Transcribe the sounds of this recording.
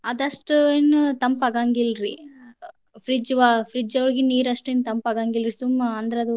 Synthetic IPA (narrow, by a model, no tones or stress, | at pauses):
ɐd̪ɐʂʈnt̪ɐmpɐɡaːŋɡilɾi | fʰɾid͡ʒʋaːfʰɾid͡ʒɐʋɐɭɡiniːɾɐʂʈent̪ɐmpɐɡaːŋɡilɾisumɐɐnd̪ɐɾeɐd̪u